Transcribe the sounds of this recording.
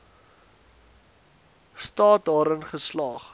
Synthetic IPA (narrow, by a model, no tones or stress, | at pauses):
stɑːt̚dɑːɾənχəslɑːχ